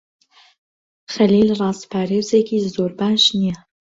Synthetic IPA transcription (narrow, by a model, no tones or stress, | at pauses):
xɐliːlrˤɑːspʰaːɾeːwzekʰiːzoːɾbaːʃnijɛ